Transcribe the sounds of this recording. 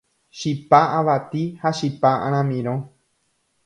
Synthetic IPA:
ʃipaʔãʋat̪ihaʃipaʔãɾ̃ãmĩɾ̃õ

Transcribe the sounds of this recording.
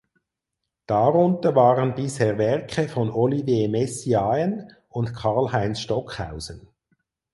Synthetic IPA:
d̥aʁʊntəvɑːʁənbɪsheːʁvɛʁkχəfɔnɔlivjeːmɛsiaən | ʊntkʰɑlhaɪnsʃtɔkha̰ʊzən

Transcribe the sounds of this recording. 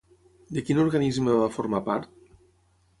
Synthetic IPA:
d̪əkinuɾɣanizməβafoɾmapaɾt̪

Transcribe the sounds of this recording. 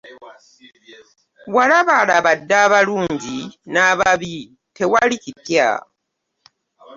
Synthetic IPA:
walaβalaβadːaːβaluːɲɟinaβaβi | te̞walicipja̰

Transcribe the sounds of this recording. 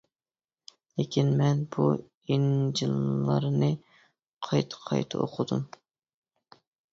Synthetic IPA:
lekʲinmɛnbu | ind͡ʒilːɑɾnɨ | qʰɑjt̪ʰqʰɑ̰jt̪ʰɨ̰o̰qʰʊd̪um

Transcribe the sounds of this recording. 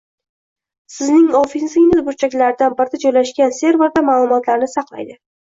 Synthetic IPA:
sɪznɪŋɒfizɪnɪzbʊɾt͡ʃʰakʲlaɾd̪anbɪɾd̪ad͡ʒɒjlaʃkʲanse̞ɾve̞ɾd̪amaːlˠʊmɒt̪laɾnɪsɑqlˠa̰jd̪ɪ

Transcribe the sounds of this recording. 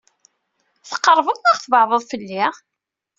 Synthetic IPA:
θə̥qːəɾˤvəðˤaʁθəvəʕðˤəðˤfəlːiʁ

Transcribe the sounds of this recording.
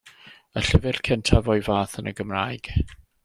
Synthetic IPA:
əɬɪvɪr̥kʰɛntʰavɔjvaːθənəɡəmraːjɡ̥

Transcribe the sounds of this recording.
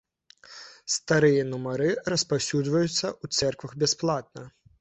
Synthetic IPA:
st̪aɾɨjɐnumɐɾɨɾɐspawsʲud̪zvɐjut̪sːɐut̪sɛrkvɐɣbʲɛsplˠat̪̚nɐ

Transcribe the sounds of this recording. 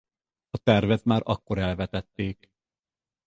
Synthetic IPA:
ɒt̪ɛrvɛt̪maːɾʔɒkːo̞ɾɛlvɛt̪ɛt̪ːeːk

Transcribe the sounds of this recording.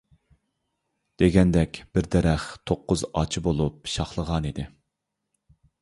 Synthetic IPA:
d̪̥eɡʲɛnd̪ɛkʲb̥ɪɾd̪ɛɾɛχt̪ʰoqːʊzɑ̰t͡ʃʰibolˠupʃɑχlˠəʁɑnid̪ɪ

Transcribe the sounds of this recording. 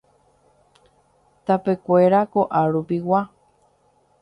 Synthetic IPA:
t̪ape̞kʷe̞ɾakoʔaɾupiwa

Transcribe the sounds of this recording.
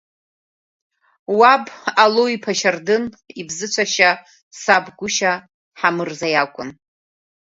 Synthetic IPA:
wabaloipʰaʃardɨn | ibzɨt͡ɕʷʰaʃa | sabɡʷʊʃa | ħamɨrzajakʷʼʊn

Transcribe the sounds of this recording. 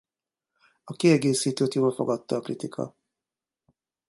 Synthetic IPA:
ɒkiɛɡeːsiːt̪oːt̪joːbɒfo̰ɡɒt̪ːɒːklit̪ikʰɒ̰

